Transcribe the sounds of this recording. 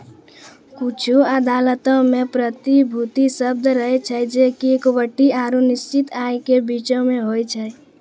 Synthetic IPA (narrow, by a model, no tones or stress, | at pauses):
kut͡ʃʰuəd̪aːlət̪ɔ̃mẽpɾət̪ibʱut̪isəb̚d̪ɾəɦɛt͡ʃʰəd͡ʒekikobəʈːiaɾunist͡ʃit̪aekebit͡ʃɔ̃meɦojt͡ʃʰɛ